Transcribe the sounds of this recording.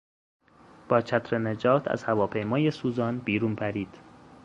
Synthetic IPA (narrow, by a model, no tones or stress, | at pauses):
b̥ɒːt͡ʃʰæt̪ʰɾened͡ʒɒːt̪ʰæ̰z̥hævɒːpʰe̞jmɒːjesuːzɒːnbiːɾuːnpʰæɾiːd̪̥